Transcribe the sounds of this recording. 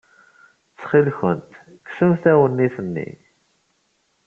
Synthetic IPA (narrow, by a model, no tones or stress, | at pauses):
t͡sːχilçə̰nt̪ | kːsəmθæwənːiθənːḭ